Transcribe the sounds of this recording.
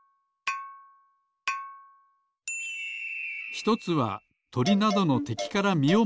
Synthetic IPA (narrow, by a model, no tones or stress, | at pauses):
çi̥t̪o̞t͡sɨβa̰ | t̪o̞ɾʲinad̪o̞no̞t̪e̞kʲi̥kaɾamʲio